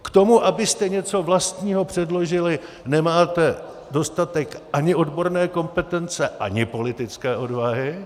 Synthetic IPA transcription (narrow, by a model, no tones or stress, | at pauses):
kt̪o̞muʔabɪst̪ɛɲɛt͡so̞vlast̪ɲiːɦo̞pr̝̥ɛdlo̞ʒɪlɪ | nɛmaːt̪ɛ | do̞st̪at̪ɛkʔaɲɪo̞dbo̞ɾnɛːko̞mpɛt̪ɛnt͡sɛʔaɲɪpo̞lɪt̪ɪt͡skɛːʔo̞dvaɦɪ